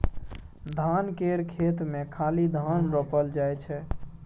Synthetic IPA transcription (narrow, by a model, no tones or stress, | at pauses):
d̪ʱankeɾkʰet̪mekʰalid̪ʱanɾəpəld͡ʒajt͡ʃʰɛ